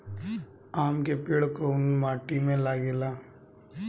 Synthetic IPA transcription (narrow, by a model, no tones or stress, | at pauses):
aːmkepɪɽkonmaːʈimẽlaːɡeːlaː